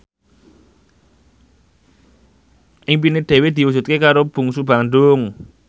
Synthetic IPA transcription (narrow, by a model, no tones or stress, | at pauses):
ʔɪŋp̬inɪd̪̥e̤wed̪̥i̤wud͡ʒ̥ṳt̪̚kekaɾob̥ṳŋsub̥a̤nɖʊŋ